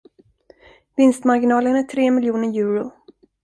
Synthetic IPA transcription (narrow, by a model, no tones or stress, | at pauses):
vɪnst̪maɾɡɪnɑːlənæʈʰɾeːmɪljuːnəɾjʉ̟ːɾʊ